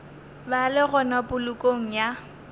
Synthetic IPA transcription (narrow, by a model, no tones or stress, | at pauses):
balɪɣɔnabʊlʊkʼoŋ̩ja